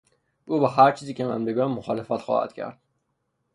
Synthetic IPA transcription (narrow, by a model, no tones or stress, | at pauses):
ʔuːbæɦæɾt͡ʃʰiːziːcʲʰemæ̰mɾiɡɒːmːoxɒːlefæt̪xɒ̰ːhæ̰d̪̥cʰæ̰ɾd̪̥̚